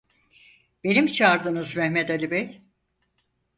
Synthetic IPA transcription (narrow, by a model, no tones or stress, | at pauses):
b̥e̞nimt͡ʃʰaɾd̪ɯnɯzmɛhmɛd̪alʲibɛj